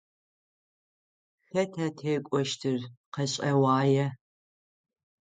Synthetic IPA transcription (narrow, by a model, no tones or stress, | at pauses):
xɐtʰatʰeːkʷʼɔʃtʰɨrqɐɕʼɐwaːjɛ